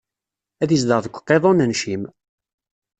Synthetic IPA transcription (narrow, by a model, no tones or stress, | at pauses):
æðisd̪əɾðəkʷːqːeðˤonænʃim